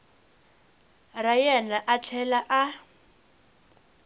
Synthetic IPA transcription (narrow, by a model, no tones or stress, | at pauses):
rajɛnaʔat͡ɬʰɛlaʔa